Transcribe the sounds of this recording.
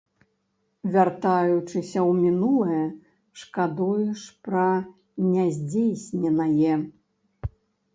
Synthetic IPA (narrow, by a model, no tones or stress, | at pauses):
vʲart̪ajut͡ʂɨsʲɐwmʲinulˠɨjɛ | ʂkad̪ujuʂpɾɐ | nʲazʲd͡zʲejsʲnʲɛnɐjɛ